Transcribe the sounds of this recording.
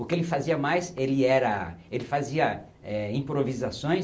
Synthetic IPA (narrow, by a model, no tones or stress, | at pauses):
ʊkɪelɪfaziɐmajselɪɛɾɐelɪfaziɐ | ɛĩpɾovizasõj̃